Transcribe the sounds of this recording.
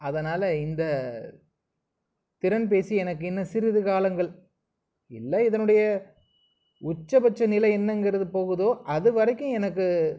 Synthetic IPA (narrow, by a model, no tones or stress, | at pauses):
ɐðɐnaːlɐɪnd̪ɐ | t̪ɪɾɐnp̬eːsiɛnɐkːɯɛnːɐsɪɾɯðɯkaːlɐŋɡɐɭ | ɪlːɐɪðɐnɯɽɐjɐ | ʊt͡ʃːɐbɐt͡ʃːɐnɪlɐɛnːɐŋɡɪɾɐðɯpoːɣɯðoːʔɐðɯʋɐɾɐkːʊ̃ɛnɐkːɯ